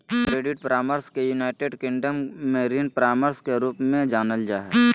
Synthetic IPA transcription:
kɾeːɖɪʈ̚pɾaːməɾskejunaːɪʈeːɖkɪ̃ŋɖəmːeɾiːnpɾaːməɾskeɾuːpmẽd͡ʒaːnəld͡ʒaːɦɛ

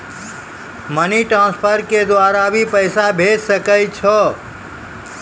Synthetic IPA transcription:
məniʈɾãspʰəɾked̪ʋaɾaʋipəjsabʱed͡ʒsəkajt͡ʃʰɔ

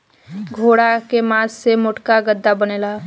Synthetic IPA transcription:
ɡʱoːɽakemãːsːemʊʈkaɡəd̪ːabəneːla

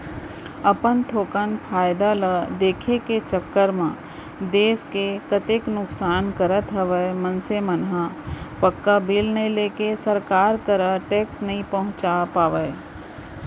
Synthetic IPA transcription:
ɐpənt̪ʰoːkənpʰaːjd̪aləd̪eːkʰeket͡ʃəkːəɾmã | d̪eːskekɐt̪eknʊksaːnkəɾət̪ɦəʋəemənsemɐnɦapɐkːabʱɪlnəɦĩleːkesəɾkaːɾkəɾaʈeːksnɐɦĩpɐɦʊ̃t͡ʃapaːʋəj

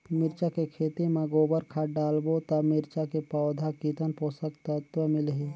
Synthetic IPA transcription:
mɪɾt͡ʃakekʰeːt̪imẽɡoːbəɾkʰaɖaːlbot̪ɐmɪɾt͡ʃakepɔːd̪ʱakiːt̪ənpoːsəkt̪ət̪wəmɪlɦiː

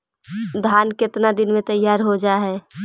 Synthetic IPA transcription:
d̪ʱaːnkɪt̪nad̪ɪnmẽt̪əjːaːɾɦod͡ʒaːɦɛː

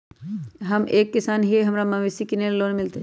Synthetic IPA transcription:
ɦɐmeːkːɪsaːnɦieɦɐmɾamɐʋɪsikɪnelloːnmɪlt̪e

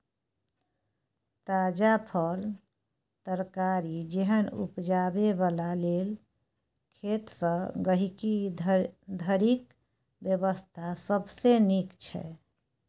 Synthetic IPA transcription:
t̪ad͡ʒapʰəl | t̪əɾkaɾid͡ʒeɦənṵpd͡ʒabebalalel | kʰet̪sə̃ɡəɦiki | d̪ʱəɾik | bjəbəst̪ʰasəbsenikt͡ʃʰɛ̰

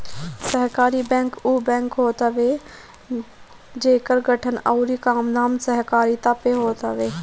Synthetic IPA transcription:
sɐɦkaːɾibɛ̃ːŋkuːbɛ̃ːŋkɦoːt̪əʋe | d͡ʒeːkəɾɡɐʈʰənɐːʊɾikaːmnaːmsɐɦkaːɾit̪apeɦoːt̪əʋeː

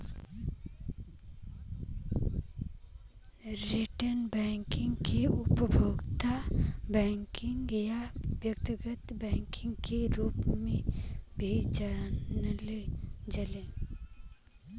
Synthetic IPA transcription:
ɾiʈənbɛ̃ːŋkɪ̃ŋɡkeʊpəbʱoːɡt̪abɛ̃ːŋkɪ̃ŋɡjabjək̚t̪ɪɡət̪bɛ̃ːŋkɪ̃ŋɡkeɾuːpmẽbʱit͡ʃanəled͡ʒəlẽː

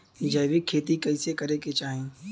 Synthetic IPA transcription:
d͡ʒəːʋikʰːeːt̪ikɐɪsekɐɾeket͡ʃaːɦẽː

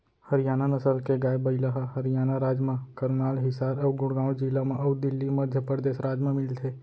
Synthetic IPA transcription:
hɐɾɪjaːnanəsəlkeɡaːjbəɪləɦaɦɐɾijaːnaɾaːd͡ʒmãkɐɾnaːlɦɪsaːɾɔːɡʊɽɡãːwd͡ʒɪlamẽʔɔːd̪ɪlːimɐd̪ʱjəpɾəɾd̪eːʃɾaːd͡ʒmãmɪlt̪ʰeː

